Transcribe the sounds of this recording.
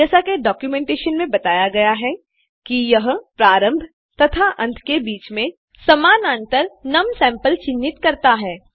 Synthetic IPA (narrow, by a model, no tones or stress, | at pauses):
d͡ʒɛːsakeɖɔːkjumẽːɳʈeːʃənmẽbɐt̪aːjaɡɐjaɦɛ | kijɐɦpɾaːɾə̃mbʱ | t̪ɐt̪ʰaʔɐ̃nt̪ʰkebiːt͡ʃmẽ | sɐmaːnãːnt̪əɾnɐmsɛ̃ːmpəlt͡ʃɪnːɪt̪kɐɾt̪aɦɛː